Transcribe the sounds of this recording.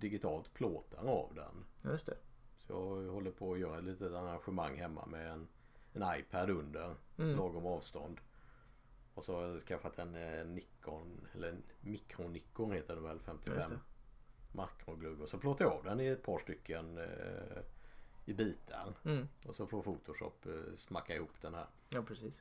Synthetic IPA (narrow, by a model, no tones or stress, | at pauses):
d̪ɪɡɪt̪ʰɑːlt̪pʰloːt̪ʰaɾa̰vd̪ɛ̰njst̪sɔjɑ̰ːhɔlːəɾpʰɔːjœːɾaɛt̪liːt̪ət̪aɾanɧəmaŋːɦɛmːa̰mɛɛn | ɛnajpʰæd̪ɵnd̪əɾlɑːɡɔmɑːvst̪ɔ̰nd̪ | ɔsɔhaɾjɑskafːat̪ʰɛnːɪkːʊnɛlːəmɪkɾʊnɪkːʊɾheːt̪əɖɛmvɛlfɛmt̪ʰɪfɛmː | akɾʊɡlɵbɔsɔpʰloːt̪ːaɾjɑːvd̪ɛnɪɛt̪̚pʰɑːʂʈ̪ʏkːən | ɪbiːt̪ʰa̰ɾɔsɔfoːfuːt̪ʊʂɔ̰pːsmakːaɪhuːpd̪ɛnhæ̰ːɾ | ɑpɾɛsiːs